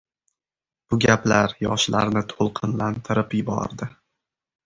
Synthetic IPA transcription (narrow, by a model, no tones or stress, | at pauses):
b̥ʊɡʲaplaɾjɒʃla̰ɾnɪt̪ʰolˠqʰɨnlant̪ʰɪɾɪpjɪbɒ̰ɾd̪ɪ